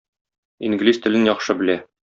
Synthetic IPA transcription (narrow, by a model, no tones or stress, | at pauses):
iŋɡlist̪ɘ̆lɘnjɒχʃɤbɘ̆læ